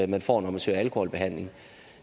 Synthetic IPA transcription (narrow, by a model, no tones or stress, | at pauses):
mænfɒ̰ːnɒməsøːɐælkʰohɔlb̥e̝ɦæn̰leɪ̝ŋ